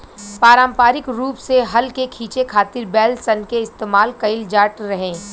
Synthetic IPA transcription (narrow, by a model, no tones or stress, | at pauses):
paːɾə̃mpaːɾɪkɾuːpseɦɐlkekʰiːt͡ʃekʰaːt̪ɪɾbɛːlsɐnkeɪst̪eːmaːlkɐɪld͡ʒaːʈɾɐɦẽː